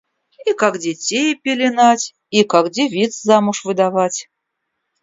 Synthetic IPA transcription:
ikakdʲɪtʲejpʲɪlʲɪnatʲ | ikakdʲɪvʲit̪szamʊʂvɨd̪avatʲ

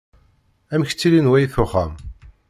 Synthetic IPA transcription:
æmç̥t͡sːilinwæjiθʊχæm

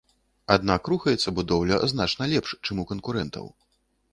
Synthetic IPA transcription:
ad̪nakruxɐjɛt̪sːɐbud̪ɔwlʲɐznat͡ʂnɐlʲɛpʂt͡ʂɨmukɐnkuɾɛnt̪ʰɐ̰w

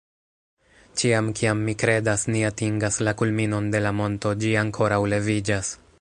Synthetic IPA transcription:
t͡ʃiamkiamːikɾe̞dasniatiŋɡaslakulmino̞nde̞lamo̞nto̞d͡ʒiaŋkʰo̞ɾawle̞vid͡ʒas

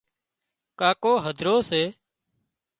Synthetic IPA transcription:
kaːkoːɦəd̪ʱɾoːseː

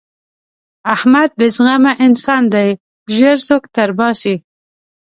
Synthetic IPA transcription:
ahmad̪̚bɪzɣamaʔɪnsɑnd̪aj | ʒəɾsokt̪aɾbɑsi

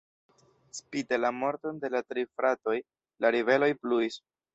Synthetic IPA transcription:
spidelamo̞ɾto̞nde̞latɾifɾato̞j | laɾive̞lo̞jpluis

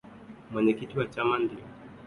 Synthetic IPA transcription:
mwɛɲɛkitiwat͡ʃamandiɔ

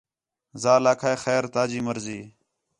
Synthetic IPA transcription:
zaːlaːkʰaːexeːɾt̪aːd͡ʒiːməɾziː

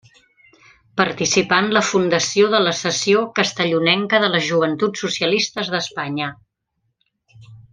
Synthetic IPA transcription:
pəɾt̪isipanləfund̪əsioðələsəsiokəst̪əʎunɛŋkəðələʒuβ̞ənt̪utsːusiəlist̪əzðəspaɲə

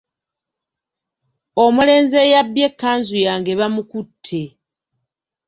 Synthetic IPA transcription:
o̞mule̞ːnze̞jabːje̞kːaːnzujaːŋɡe̞βamukutʰːe

